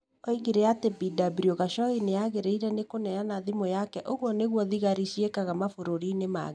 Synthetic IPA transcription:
ɔiɣiɾɛatebidabɾioɣaʃɔɣineaɣeɾeiɾɛnekonɛanaðimojakɛʔoɣwɔneɣwɔðiɣaɾiɕiekaɣamafoɾoɾiːnema̰ɣ

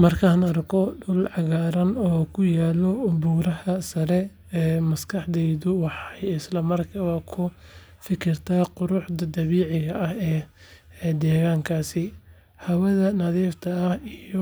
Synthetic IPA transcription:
mɐrkʰɐɐnɐrkʰɔɖʊlʕɑɣaːɾɐnɔːkʰʊjaːlɔʊbuːɾɐhɐsɐɾɛ | ɛːmɐskʰɑħd̪ɛjðʊwɑħɑjɪslɐmɐrkʰɐβɐkʰʊ | fɪkʰɪrt̪ʰaːqʊɾʊħd̪ɐd̪ɐβiːʕɪɣɐʔɐhɛː | d̪ɛːɣaːŋkʰaːsɪ | hɐwɐðɐnɐðiːft̪ʰɐːhijɔ

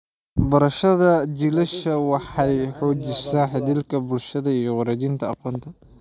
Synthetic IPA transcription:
bɐɾɐʃɐðɐt͡ʃɪlɛʃɐwɑħɑjħɔːd͡ʒɪsaːnħɪðɪlkʰɐbʊlʃɐðɐijɔwɑɾɛd͡ʒɪnt̪ʰɐɑ̰qɔːnt̪ʰɐ

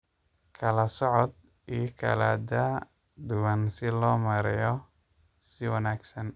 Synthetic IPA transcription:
kʰɐlɐsɔʕɔd̪̚ | ijkʰɐ̰la̰ːd̪ɐ | d̪ʊwɐnsɪlɔːmɐɾɪjɔ | sɪwɐnaːɡsɐn

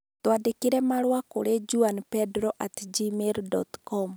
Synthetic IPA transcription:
twadekeɾɛmaɾwakoɾed͡ʒuanpɛdɾɔʔatd͡ʒimeɾdɔt̪kɔm

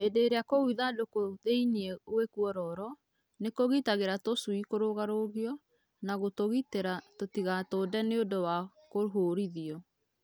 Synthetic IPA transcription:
edeːɾeakouiðadokoðeiniewekuɔɾɔɾɔ | nekoɣitaɣeɾatosuikoɾoɣaɾoɣiɔ | naɣotoɣiteɾatotiɣatoːdɛneodowa | koɦoɾiðiɔ

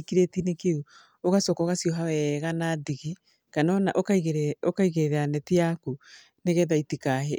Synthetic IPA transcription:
kiɾetinekeu | oɣasɔkɔɣasiɔɦawɛɣanadiɣi | kanɔnaʔokɣokaiɣeɾeɾanɛtiaku | neɣɛðaitikaɦe

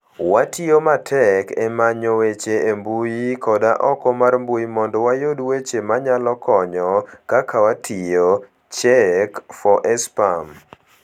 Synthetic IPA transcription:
watʰiomatʰɛkɛmaɲowet͡ʃeembujikɔdaʔɔkɔmarmbujimɔndɔwajodwet͡ʃemaɲalɔkɔɲɔkakʰawatʰijo | t͡ʃɛkfɔʔɛspam

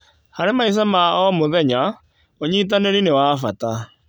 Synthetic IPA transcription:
haɾemais̬amaɔmoðɛɲa | oɲit̬aneɾinewaːfata

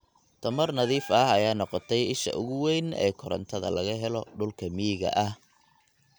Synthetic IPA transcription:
t̪ʰɐmɐrnɐðiːfɐɦɐjaːnɔqɔt̪ʰɛjɪʃɐ̰ʔʊɣʊwɛjnɛ̰ːkʰɔɾɐ̰nt̪ʰɐðɐ̰lɐɣɐɦɛlɔɖʊlkʰɐmiɣɐ̰ʔɐh

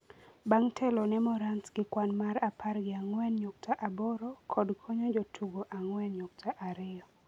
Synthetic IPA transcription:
baŋtʰɛlɔnɛmɔɾansɡɪkwanmaɾapʰarɡɪaŋwɛnɲok̚tʰaʔabɔɾɔkʰɔdkʰɔɲod͡ʒotʰuɡoʔaŋwɛnɲok̚tʰaʔaɾɪɔ

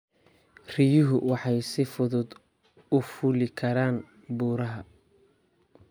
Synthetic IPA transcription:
r̥ɪjʊɦʊwɑħɑjsɪfʊðʊd̪ | ʊfʊlɪkʰɐɾaːn | buːɾɐɦɐ

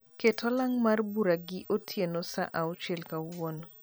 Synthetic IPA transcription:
ketʰɔlaŋmarbuɾaɡɪʔotʰjenosa̰ʔaot͡ʃelkawon

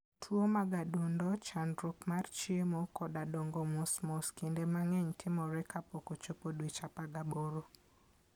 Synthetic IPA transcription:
tʰwomaɡadundɔt͡ʃandɾukmart͡ʃiemokɔdadoŋɡomosmɔskindemaŋɛɲtʰɪmɔɾɛkapokot͡ʃopodwet͡ʃapaɡaboɾo

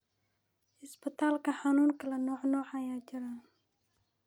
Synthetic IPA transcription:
ispət̪alkahanunkəlanoħnoħajad͡ʒəɾa

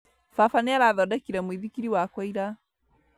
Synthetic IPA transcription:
fafanɛaɾaðɔdakiɾɛmwiðikiɾiwakwaiɾa

